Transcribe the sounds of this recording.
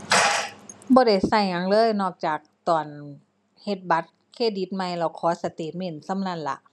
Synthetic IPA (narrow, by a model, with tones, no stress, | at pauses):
bɔː˧˦ɾa˧˩jsa˧˩jŋa˧˥ŋlɤː˧˥˨jnɔː˧˩k̚t͡ɕaː˨˩k̚t̪ɔː˨˩n | he˧˦t̪̚ba˧˦t̪̚kʰeː˧˩di˧˦t̪̚ma˧jlɛː˧˩wkʰɔː˨˦sa˧t̪eː˧˩t̪̚me˧˩˨nsa˧˥˦mna˧˥˨nla̰˧˦ʔ